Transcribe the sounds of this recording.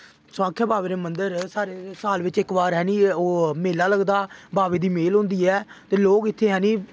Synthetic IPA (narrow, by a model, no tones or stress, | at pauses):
sʊãːkʰːeːbaːʋeːɾeːmənd̪əɾsaːɾeːsaːlʋɪt͡ʃɪkbaːɾɦɛːnĩːoːmeːlːaːləɡd̪aːbaːʋeːd̪iːmeːlɦõːnd̪iːɛːt̪eːloːkɪt̪ʰːeːɦɛːnĩː